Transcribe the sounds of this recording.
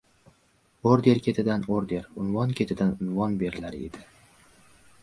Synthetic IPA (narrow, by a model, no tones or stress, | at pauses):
oɾd̪e̞ɾkʲʰe̞t̪ʰɪd̪anoɾd̪e̞ɾʊnvɒnkʲʰe̞t̪ʰɪd̪anʊnvɒnbe̞ɾɪlaɾɪed̪ɪ